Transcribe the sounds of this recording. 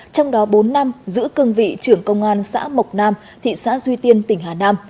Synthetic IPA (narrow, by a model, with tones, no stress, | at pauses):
t͡ɕɔ˧wŋ͡mɗɔ˨˦ɓo˨˦nːa˧mzɨ̰˧˥kɨ˧əŋvḭ˧˨t͡ɕɨ˧˩əŋkə˧wŋ͡mʔaː˧nsa̰ː˧˥mə˨˩wk͡p̚naː˧m | t̪ʰḭ˧˨sa̰ː˧˥zwi˧t̪i˧ənt̪ï˧˩ŋ̟ɦaː˨˩naː˧m